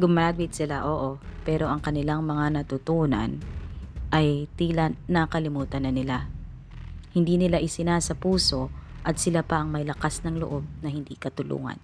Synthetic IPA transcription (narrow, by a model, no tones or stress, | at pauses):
ɡʊmaɡɪt̪̚sɪlaʔo̞ːʔo̞pɛːɾo̞ʔɐŋkɐnɪlaŋmɐŋanɐt̪ʊt̪uːnɐ̰n | ʔɐjt̪iːlanɐkɐlɪmuːt̪ɐnːɐnɪla | hɪnd̪iːnɪlaʔɪsɪnasɐpuːso̞ʔɐt̪sɪlapɐʔɐŋmɐjlɐkasnɐŋlʊ̰ʔo̞b̚nɐhɪnd̪ikɐt̪ʊlṵːŋɐ̰n